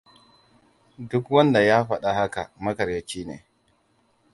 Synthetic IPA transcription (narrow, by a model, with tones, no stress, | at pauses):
dʊ˦kwɐ˦nda˨jaː˦ɸɐ˨ɗa˨ha˦ka̰˨mɐ˦kɐ˨ɾjɐ˦t͡ʃiː˦nḛː˨